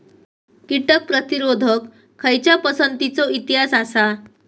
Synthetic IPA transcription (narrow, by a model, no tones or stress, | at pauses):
kiʈək̚pɾət̪iɾod̪ʱəkʰː | əjt͡ɕjapəsənt̪it͡sɔit̪iɦasasa